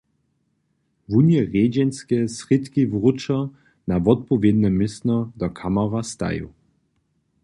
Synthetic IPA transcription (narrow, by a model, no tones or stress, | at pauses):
vunjɛʁeːd͡ʒɛnskɛsʁɪt̪kivʁut͡ʃa | navɔt̪̚pɔvjed̪nɛmɪsnɔd̪ɔkʰamaʁast̪a̰jṵ